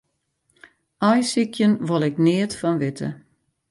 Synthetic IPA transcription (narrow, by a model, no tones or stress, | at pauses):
ajsikʰjənʋolˠɪknɪətfɔnʋɪtʰə̰